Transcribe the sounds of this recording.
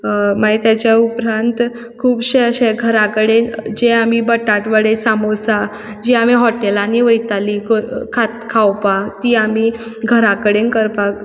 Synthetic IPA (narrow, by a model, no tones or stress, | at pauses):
maɡet̪jat͡ɕjaupɾant̪ | kʰuːbɕeəɕeɡʱəɾakəɽend͡ʑeamibəʈaʈʋəɽesamosa | d͡ʑiam̤iɦɔʈelanːiʋəjt̪alikokʰat̪kʰawpat̪iːami | ɡʱəɾakəɽenkəɾpa